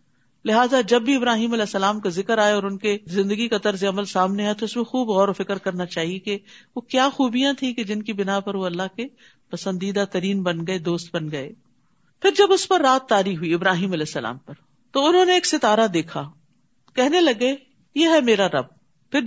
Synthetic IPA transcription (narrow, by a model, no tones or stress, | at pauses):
lɪɦaːzad͡ʒɐbːiɪbɾaːɦiːmɐlɛːsːɐlaːmkazɪkəɾaːeɔːɾʊnkezɪ̃nd̪əɡikat̪ɐɾzeɐməlsaːmneɦɛ̃t̪oʊsmẽxuːbɣɔːɾofɪkɾkɐɾnat͡ʃaːɦiekeʋokjaːxuːbijãt̪ʰĩked͡ʒɪnkibɪnapɐɾʋoɐlːaɦke | pɐsə̃nd̪iːd̪at̪ɐɾiːnbɐnɡɐed̪oːst̪̚bɐnɡɐḛː | pʰɪɾd͡ʒɐbʊspɐɾːaːt̪ːaːɾiːɦuiɪbɾaːɦiːmɐlɛːsːɐla̰ːmpɐɾ | t̪oʊnɦõːneːksɪt̪aːɾad̪eːkʰa | kɛɦnelɐɡe | jeːɦɛmeːɾaɾɐb̚ | pɪɾ